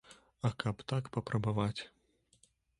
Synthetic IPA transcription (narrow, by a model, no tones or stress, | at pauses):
ɐkɐpt̪akpɐpɾɐbavat͡sʲ